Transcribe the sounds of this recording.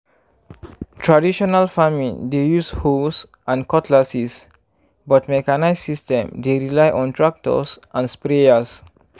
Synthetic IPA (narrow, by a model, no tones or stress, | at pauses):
tʰɹadiʃɔnəlfamĩndejushos | ʔãnkɔtʰlasis | bɔt̚mɛkanaɪsːistɛ̃mdeɹilajʔɔ̃ntɹak̚tɔ̰sʔãnspɾeəs